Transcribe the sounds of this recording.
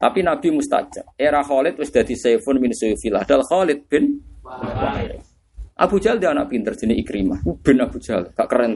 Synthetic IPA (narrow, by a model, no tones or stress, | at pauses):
t̪apinab̥i̤must̪a̰t͡ʃaeɾaxɔlɪt̪̚wɪsd̪̥a̤d̪̥i̤sefʊnminusufilahd̥̪alxɔlɪt̪̚b̥ɪn | a̰ | ʔa̰b̥ud̥ʒ̥a̤ld̪ianaʔpint̪ərd̥ʒ̥ənɪikɾima̰hub̥ɪ̤nab̥ṳ̥d͡ʒ̥alŋ̥aʔkərɛn